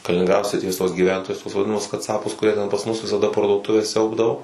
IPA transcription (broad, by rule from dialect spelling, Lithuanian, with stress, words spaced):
kɐlʲɪnʲɪŋˈɡrɑːdoː sʲrʲɪˈtʲiɛs tuɔs ɡʲiːˈʋʲɛntoːjʊs tuɔs ʋɐdʲɪˈnɑːmʊs kɐˈt͡sɑːpʊs kʊˈrʲiɛ tʲɛn pɐs ˈmʊs ʋʲɪsɐˈdɐ pɐrduɔˈtʊʋʲɛs ˈsʲɛʊbdɐʋoː